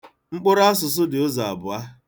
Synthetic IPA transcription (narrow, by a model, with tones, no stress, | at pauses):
ŋ͡m̩˦k͡pʊ˦ɾa˦a˦s̬ʊ˨s̬ʊ˦dɪ˨ʊ˦za˨a̰˨bʊ˨a˦